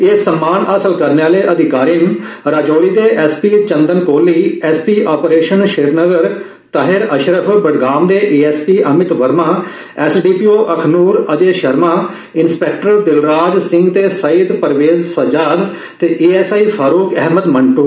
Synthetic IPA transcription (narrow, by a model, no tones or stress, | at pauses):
eːsəmːaːnəsəlkəɾneːaːleːʔəd̪ʱɪkaːɾin | ɾaːd͡ʒoːɾiːd̪eːʔɛːspiːt͡ʃənd̪ənkoːliːɛːspiːaːpɾeːʃənʃeːɾnəɡəɾ | t̪aːɦɪɾəʃɾəpʰbəɖɡaːmd̪eːʔeːɛːspiːʔəmɪt̪ʋəɾmaː | ɛːsɖiːpiːoːʔəkʰnuːɾəd͡ʒeːʃəɾmaː | ɪnspɛːk̚ʈəɾd̪ɪlɾaːd͡ʒsɪ̃ŋɡt̪eːsəiːd̪pəɾʋeːzsəd͡ʒaːd̪ | t̪eːʔeːɛːsaːiːpʰaːɾuːkɛɦməd̪məɳʈuː